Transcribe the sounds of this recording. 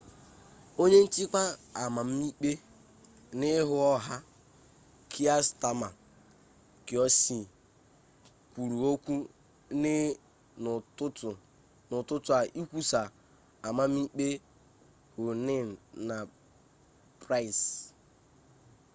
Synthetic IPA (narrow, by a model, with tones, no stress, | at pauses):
o˦ɲe˦n̩˦t͡ʃi˦kʷa˦a˨ma˨m̩˦i˦k͡pe˦ | nɪ˦ɦʊ˦ɔ˦ɦa˦ | kʰi˦a˦sta˨ma˨ | kɪ˨ɔ˦si˨ | kʷu˨ɾu˨o˦kʷu˦ | nɪ˦˨ | ʊ˦tʊ˨ | nʊ˨tʊ˦tʊ˨a˨ʔi˦kʷu˦sa˨ | a˨ma˦m̩˦i˦k͡pe˦ | hʊ˨nɪ˦˨na˨ | pɾa˦i˨s